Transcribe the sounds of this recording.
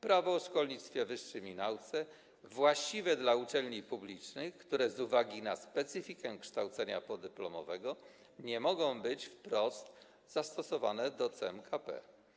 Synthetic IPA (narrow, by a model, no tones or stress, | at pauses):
pɾavɔːʂkɔlɲit̪st̪fʲjɛvɘʂːɘmʲinawt̪sɛ | vwaɕt͡ɕivɛd̪laut͡ʂɛlɲipublʲit͡ʂnɘxkt̪uɾɛzuvaɡʲinaspɛt̪sɨfʲikɛkʂt̪awt̪sɛɲapɔd̪ɛplɔmɔ̰vɛɡɔ | ɲɛmɔɡɔ̃w̃bɘt͡ɕfpɾɔst̪ | z̥ast̪ɔsɔva̰nɛd̪ɔt̪sɛɛmkʰapɛ̰